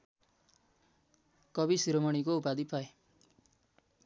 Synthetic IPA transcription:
kʌbisiɾʌmʌɽ̃ikoupad̪ipʰae

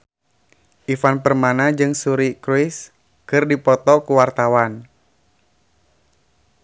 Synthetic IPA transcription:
ʔifanpərmanad͡ʒɨŋsuɾikɾuis | kɨrdipɔt̪ɔkuwart̪awan

